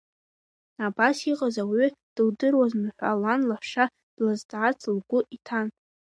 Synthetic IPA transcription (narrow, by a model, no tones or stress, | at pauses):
abasiqʼazawid̥ɨldɨrwaznɨħʷa̰lanlaħʂa | d̥lazdʼʕat͡sʰlɡʷʊʔitʰan